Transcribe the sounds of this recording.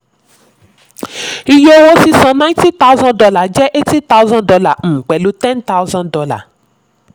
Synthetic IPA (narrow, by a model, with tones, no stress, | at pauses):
i˧jo˦wo˦si˧sã˧nã˦ti˦t̪a˦zã˦dɔ˧la˨d͡ʒɛ˦ʔe˦ti˦t̪a˦u˦zã˦dɔ˧la˦˨m̩̃ː˨k͡pɛ˨lu˨˦tɛ̃˦nt̪a˦wzã˦dɔ˧la̰˦˨